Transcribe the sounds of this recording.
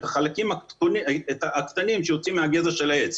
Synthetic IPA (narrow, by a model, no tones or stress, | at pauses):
taχalakimakonietaakt̪animʃejot͡simeaɡezaʃelaet͡s